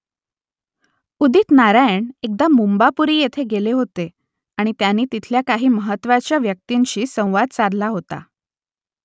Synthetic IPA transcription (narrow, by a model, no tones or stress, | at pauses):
ud̪iːt̪naɾajɳek̚d̪amumbapuɾiːjet̪ʰeɡeleɦot̪e | aɽ̃it̪janːiːt̪it̪ʰljakaɦiːməɦət̪ʋat͡ɕjaʋjək̚t̪iɲɕiːsə̃w̃ʋad̪̚t͡saɾlaɦot̪a̰